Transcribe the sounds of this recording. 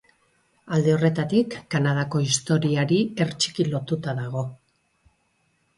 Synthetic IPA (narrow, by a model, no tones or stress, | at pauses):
ald̪e̞o̞re̞t̪at̪ikːanað̞ako̞ist̪o̞ɾiaɾie̞ɾt͡ʃi̥kilo̞t̪ut̪aðaɣ̞o̞